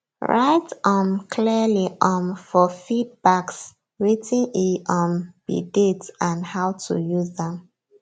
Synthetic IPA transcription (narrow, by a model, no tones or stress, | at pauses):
ɹa̰ɪtɔ̃mkʰliliʔɔ̃nfɔfid̚baks | ɹitʰĩniʔɔ̃nb̥ḭditãnhaʊtʰṵjuzðɛ̃m